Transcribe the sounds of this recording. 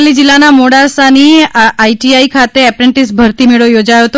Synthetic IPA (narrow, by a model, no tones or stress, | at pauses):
lid͡ʒilːanamoɽaɾsaniaiʈiaikʰat̪eɛpɾeɳʈisbʱəɾt̪imeɭojod͡ʒajot̪o